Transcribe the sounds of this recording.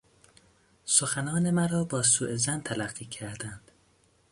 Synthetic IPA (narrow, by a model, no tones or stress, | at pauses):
so̞xænɒːnemæɾɒːbɒːsuːʔezænt̪ʰælæɢːiːcʰæɾd̪ænd̪̥